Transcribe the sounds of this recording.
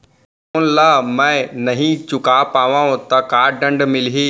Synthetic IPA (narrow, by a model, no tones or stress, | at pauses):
nɪlaːmɛ̃ːnɐɦĩt͡ɕʊkapaːʋãːɦũt̪ɐkaːɾɖɐ̃ɳɖmɪliɦeː